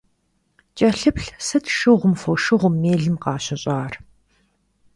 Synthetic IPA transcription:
t͡ʃʼɐɬɨpɬsɨtʰʃɨʁʷʊmfoʃɨʁʷʊmːeːɮɨmqɑːɕɐɕʼɑːr

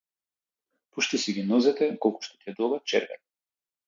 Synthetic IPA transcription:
puʃt̪isiɡʲinɔzɛt̪ɛkɔlˠku̥ʃt̪ɔ̥t̪iɛd̪ɔɡat̪t͡ʃɛɾvɛ̰n

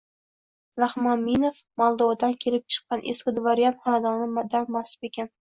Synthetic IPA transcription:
ɾahmɒnːinofmɒlˠd̪ɒwad̪ankʲʰe̞lɪp̚t͡ʃʰɨ̥qːɑnʔḛskʲɪd̪vaɾijant̪χɒnad̪ɒnɪmad̪aɾmasɪ̥pekʲan

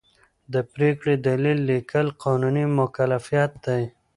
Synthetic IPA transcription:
d̪əpɾekɽed̪alilːikʰəlqʰɑnunimʊkalafijɑt̪̚d̪aj

